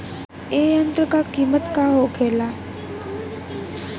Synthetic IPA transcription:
eːənt̪ɾəkakiːmət̪kaɦoɡeːla

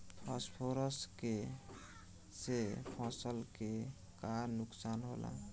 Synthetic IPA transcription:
pʰaspʰoɾəske | sepʰɔsəlke | kaɾnuksanɦo̰lʔa̰

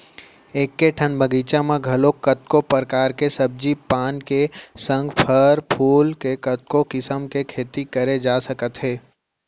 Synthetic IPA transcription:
eːkːeʈʰənbʱəɡiːt͡ʃãmãɡʱɐlokət̪kopəɾkaːɾkesəb̚d͡ʒipaːnkesə̃ŋɡpʰəɾpʰuːlkekət̪̚kokɪsəmkekʰeːt̪ikəɾed͡ʒaːsəkət̪ɦeː

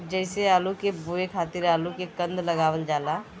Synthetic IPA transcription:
d͡ʒɛɪseaːlukebuekʰaːt̪iɾaːlukekə̃nd̪ləɡaːʋəld͡ʒaːla

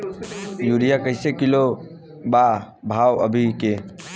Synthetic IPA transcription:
juɾijakəɪsekilo | ba | bʱaːwəbʱike

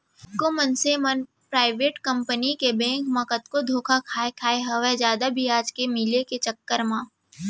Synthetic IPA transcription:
komənsemən | pɾaːɪʋeːʈkɐ̃mpənikebɛ̃ːŋkmɐ̃kət̪kod̪ʱoːkʰakʰaːekʰaːeɦɐʋɛɦd͡ʒjaːd̪abʱiaːd͡ʒkemɪleket͡ʃɐkːəɾmãː

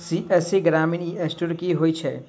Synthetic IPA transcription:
siɛːseɡɾaːmɪniɛːsʈuɾkiɦoːit͡ʃʰɛː

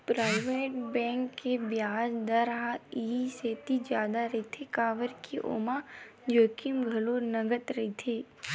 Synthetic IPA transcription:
pɾaːɪʋeːʈbɛ̃ːŋkːebjaːd͡ʒd̪əɾaiːseːt̪id͡ʒjaːd̪aɾɐit̪ʰekaːʋəɾkʰiʔo̰ːmad͡ʒoːkimɡʱɐloːɾnɐɡət̪ɾɐɦit̪ʰeː

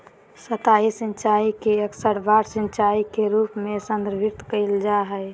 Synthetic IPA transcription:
sət̪aisɪ̃nt͡ʃaːikeəksəɾbaːɾsɪ̃nt͡ʃaːikeɾuːpmẽsə̃nd̪ɾbʱɪɾt̪kəɪld͡ʒaɦɛɪ

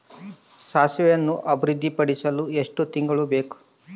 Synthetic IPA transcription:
saːsʋɛjɐnːuʔɐbiɾud̪ʱːipɐɽisɐlue̞ʂʈut̪iŋɡɐɭube̞ːku̥

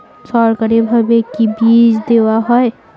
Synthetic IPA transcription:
sɔɾkəɾibʱəbekibid͡ʒd̪ewaɦɔe

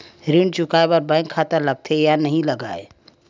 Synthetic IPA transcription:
ɾiɳt͡ʃukajbəɾbãɪkʰːat̪əɾləɡ̚t̪ʰejanəɦĩləɡae

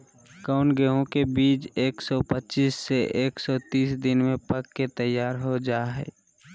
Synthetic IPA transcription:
kaʊnɡɛɦõkebiːt͡ʃeːksɔpətːt͡ʃiːsːeʔeːksɔt̪iːsd̪ɪnmẽpəkːet̪əjːaːɾɦod͡ʒaːɦɛ̰ː

